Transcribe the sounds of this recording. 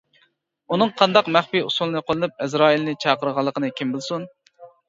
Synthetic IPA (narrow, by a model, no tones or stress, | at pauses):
unɨŋqʰɑnd̪ɑqmæχpiusulˠnɨqʰolˠɨnɨp̚ɛzɾɑːilnɨt͡ʃʰɑqəɾəʁɑlˠːəqʰənɨkʲʰimbɪlˠsun